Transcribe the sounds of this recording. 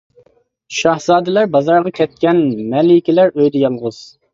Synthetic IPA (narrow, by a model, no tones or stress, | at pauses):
ʃɑhzɑːd̪ɪlæɾbɑzɑɾʁɑkʲʰɛt̪̚kʲɛnmɛlɪkʲilæɾøjd̪ɛjɑlˠʁʊz̥